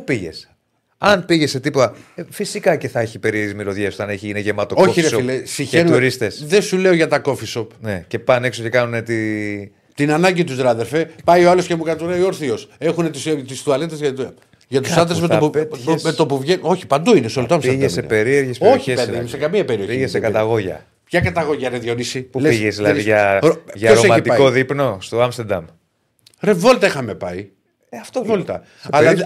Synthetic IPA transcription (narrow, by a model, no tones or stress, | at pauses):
piʝḛs | ɐnpiʝese̞t̪ipot̪ɐfisikɐce̞θɐeçipe̞ɾiezimiloðʝesot̪ɐneçiineʝemɐt̪oo̞çiiɾiɐsoilesiçenuɾist̪esðe̞sule̞oʝɐt̪ɐko̞fisopnece̞pɐne̞ksoce̞kɐnunet̪i | t̪inɐnɐɲɟit̪uzðɾɐðeɾfepɐioɐlosce̞mukɐt̪oɾɐioɾθio̞se̞xunet̪ist̪isθuɐlet̪ezɐ | ʝɐt̪u̥st̪ɐd̪ɾezmet̪opumet̪opuvʝeo̞çi̥pɐnd̪uinesolot̪oɐmseɾsḛpeɾieɾʝesoçipeðɐinsekɐmiɐpe̞ɾio̞iessekɐt̪ɐɣo̞ʝɐ̰ | pçɐkɐt̪ɐɣoʝɐɾeðʝo̞nisipulesiʝezðilɐðiʝɐoʝɐoɾoemɐit̪iɐkoðipno̞st̪oɐmst̪eɾd̪ɐ̰m | ɾe̞vo̞lit̪ɐixɐme̞pɐi | ɐft̪ovolit̪ɐ̰ | ɐlɐ